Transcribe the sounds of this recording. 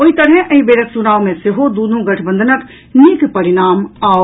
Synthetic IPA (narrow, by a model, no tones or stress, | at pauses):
oit̪əɾɦɛʔəibeɾəksunaːʋmẽseɦod̪unũɡəʈʰbə̃nd̪ʱənək | nikpəɾinaːma